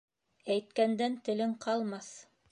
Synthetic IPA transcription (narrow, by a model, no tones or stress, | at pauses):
æjt̪kænd̪ænt̪ɘ̆lɘŋqɑlˠmɑθ